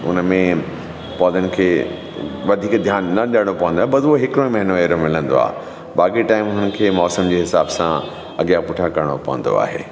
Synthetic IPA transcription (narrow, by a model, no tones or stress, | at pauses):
ʊ̰nmẽ | pɔːd̪ənɪ̆kʰeː | ʋɐd̪ʱiːkd̪ʱjaːnːɐɗəɽ̃opɐʋə̃nd̪aɦebɐsɦɪkɾõĩmɐɦɪnoeːɾõmɪlə̃nd̪o̰a̰ːɦ | ɓaːkiʈaːɪmʊnən̆kʰeːmɔːsəmd͡ʑeːɦɪsaːbsã | ɐɠijapʊʈʰakɐɾəɽ̃opɐ̰ʋə̃n̆d̪o̰a̰ːɦḛː